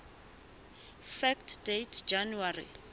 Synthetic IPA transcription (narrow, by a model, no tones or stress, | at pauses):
fɛktʰdetʰd͡ʒanuarḭ